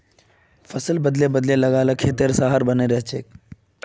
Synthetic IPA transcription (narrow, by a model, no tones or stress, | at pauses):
fʰəsəlbəd̪lebəd̪leləɡaːlakʰeːt̪eəɾsaɦaɾbəneɾəɦt͡ʃʰeːk